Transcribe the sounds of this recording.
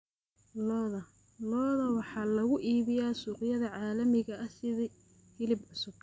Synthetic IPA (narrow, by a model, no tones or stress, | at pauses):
lɔðɐ | lɔːðɐwɑħɑːlɐɣʊʔiːβɪjaːsuːqɪjɐðɐʕɑːlɐmɪɣɐɐhsɪði | hɪlɪbʕʊsʊb̚